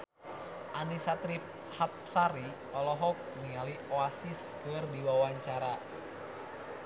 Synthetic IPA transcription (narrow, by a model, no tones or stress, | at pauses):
ʔanisat̪ɾip̚ | hat̪̚saɾi | ɔlɔɦɔk̚niŋalioasisɡəwərdiwawaɲt͡ʃaɾa